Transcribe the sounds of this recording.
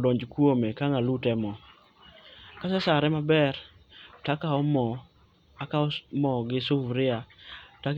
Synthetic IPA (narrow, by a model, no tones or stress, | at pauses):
dɔɲd͡ʒkwomekaŋalutɛmɔ | kasɛsaɾɛmabɛrtakaɔmɔ | akaɔmɔɡɪsʊfɾɪata